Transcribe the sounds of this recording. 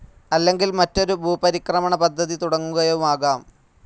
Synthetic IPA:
ɐlːe̞ŋɡilmɐtːo̞ɾubʱuːpɐɾikrɐmɐɳɐpɐd̪ʱːɐðit̪uɽɐŋːuɣɐjoumaːɣaːm

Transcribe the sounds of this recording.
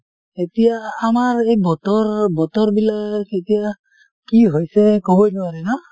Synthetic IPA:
etijaːmaɹejbɔtɔɹbɔtɔɹbilaketija | kiɦojsɛkobɔjnʊaɹɛna

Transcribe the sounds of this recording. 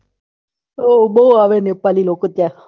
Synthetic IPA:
oboɦuaʋẽnepaːliloːkot̪ja

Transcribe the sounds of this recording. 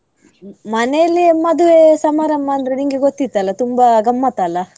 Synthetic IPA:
mɐnejɐlːimɐd̪uʋesɐmaːɾɐmːɐːnd̪ɐɾeniŋɡeɡot̪ːit̪ːɐlːɐt̪umbaɡɐmːat̪alːɐ

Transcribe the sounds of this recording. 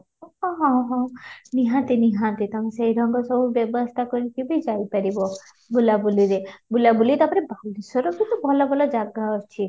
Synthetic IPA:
ɦɔ̃ɦɔ̃ɦɔ̃niɦãnt̪iniɦãt̪it̪ɔmesejɾɔŋɡɔsɔbubjɔbɔst̪ʰakɔɾikibid͡ʒajpaɾibɔ | bulabuliɾebulabulit̪apɔɾebad̪ʱisɔɾɔkit̪ubʱɔlɔbʱɔlɔd͡ʒaɡaɔɾt͡ʃʰi

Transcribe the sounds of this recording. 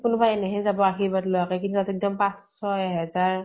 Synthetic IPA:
kʊnʊbajeneɦɛzabɔaxibatlɔakɛkintutatɛk̚dɔmpãs | ɔjaɦɛzaɹ

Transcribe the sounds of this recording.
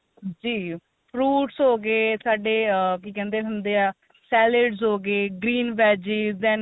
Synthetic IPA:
d͡ʒiː | pʰɾuːʈsɦoːɡeːsaːɖeːkiːkɛ̃ːnd̪eːɦʊnd̪eːaː | sɛːleɖzɦoːɡeːɡɾiːnbɛːd͡ʒiːzd̪ɛ̃n

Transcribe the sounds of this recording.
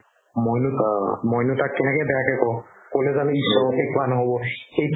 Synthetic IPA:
mojnumɔjnutak̚tɛnɛkɛbɛjakɛkɔkolɛzanʊisɔɔkɛkʊanɔɦobɔxejt

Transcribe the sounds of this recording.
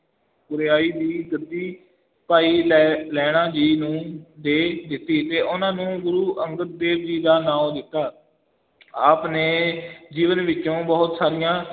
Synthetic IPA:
ɡʊɾeːaːiːd̪iːɡəd̪iː | paːiːlɛlɛːɽ̃ãːd͡ʒiːnũːd̪eːd̪ɪt̪ːiːt̪eːʔʊnãːnũːɡʊɾuːʔəŋɡət̪̚d̪eːʋd͡ʒiːd̪aːnãːõd̪ɪt̪ːaː | aːpneːd͡ʒiːʋənʋɪt͡ʃːʃõːbəɦʊt̪saːɾɪjãː

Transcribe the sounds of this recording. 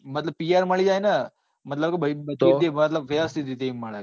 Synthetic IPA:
mɐt̪ləb̚piaɾmɐɭid͡ʒaːjna | mɐt̪ləbkebɐbɐt̪iemɐt̪ləbʋɐʋəst̪ʰit̪it̪emːɐɭa

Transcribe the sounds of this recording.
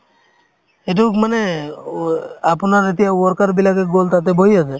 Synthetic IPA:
eʈukmane | apnaɾet̪iɦawɔɾkaɾbilaɡeɡolt̪at̪̬ebʱoɦiasʰe

